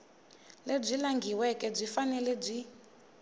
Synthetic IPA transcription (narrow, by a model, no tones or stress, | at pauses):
leb͡ʐʷilaŋɡʱiwɛkʼɛb͡ʐʷifanɛlɛb͡ʐʷi